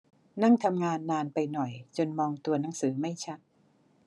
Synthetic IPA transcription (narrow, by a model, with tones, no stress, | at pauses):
na˥˩ŋt̪ʰa˧mŋaː˧nːaː˧npa˧jnɔ˨˩jt͡ɕo˧nmɔː˧ŋt̪u˧ɐna˩˦ŋsɯː˩˦ma˥˩jt͡ɕʰa˦˥t̪̚